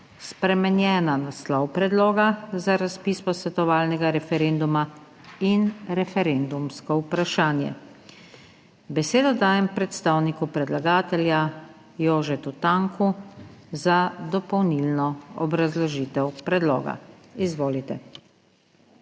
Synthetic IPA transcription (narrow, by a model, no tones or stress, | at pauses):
spɾɛmɛnjɛːnanaslɔwpɾɛd̪loːɡazaɾaspiːspɔsʋɛt̪ɔʋaːlnɛɡaɾɛfɛɾend̪uma | inɾɛfɛɾend̪umskɔupɾaʃaːnjɛ̰ | bɛseːd̪ɔd̪aːjɛmpɾɛt̪st̪aːwnikupɾɛd̪laɡaːt̪ɛlja | joːʒɛt̪ut̪aŋkʰuzad̪ɔpɔwnilnɔɔbɾazlɔʒiːt̪ɛwpɾɛd̪lo̰ːɡa̰izʋoːlit̪ɛ̰